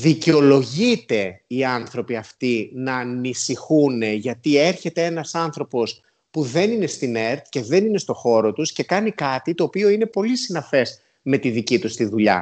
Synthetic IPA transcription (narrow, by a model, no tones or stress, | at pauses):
ðiceo̞lo̞ʝit̪e̞iɐnθɾo̞piɐft̪inɐːnisixune̞ʝɐt̪ie̞ɾçe̞t̪e̞e̞nɐsɐnθɾo̞po̞s | puðe̞nine̞st̪ine̞ɾt̪ce̞ðe̞nine̞st̪o̞xo̞ɾo̞t̪usce̞kɐnikɐt̪it̪o̞ːpio̞ine̞po̞lisinɐfe̞z | me̞t̪iðicit̪ust̪iðuʎɐ̰